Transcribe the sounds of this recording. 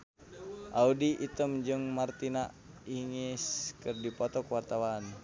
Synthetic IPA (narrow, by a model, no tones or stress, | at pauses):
ʔaudiʔit̪əmd͡ʒɨŋmart̪ina | iŋiskɨrdipɔt̪ɔkwart̪awan